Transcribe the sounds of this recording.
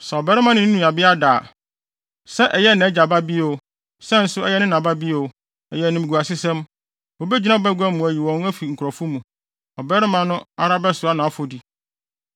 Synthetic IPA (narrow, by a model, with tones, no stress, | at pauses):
sɛ˨ɔ˨bɛ˦ɾɪ˦mã˨nɪ̃˦n̩˦nũ˦a˨bɪ˦a˦da˨ | sɛ˦ʔɛ˨jɛ˦nɪ̃˨ɛ˦d͡ʑa˨ba˦bi˦o˦˨˦ | sɛ˦n̩˦sʊ˦ɛ˦jɛ˦nɪ̃˦nã˨ba˦bi˦o˨˦ | ɛ˨jɛ˦˨nʊ̃˦˨mɪ˨ɡu˨a˨sɪ˦sɛ̃˦m | wo˨bɛ˦d͡ʑi˦nã˦ɔ˨bɛ˦ɡʷu˦ɛ˦mũ˨æ˨ji˨wɔ̃˨n˦æ˦fi˨ŋ̩˨kʰɾɔ˨fʊ˦mũ˨ | ɔ˨bɛ˦ɾɪ˦mã˨nʊ̃˦a˨ɾa˦bɛ˦sʊ˨a˦nã˨˦fo˨di˨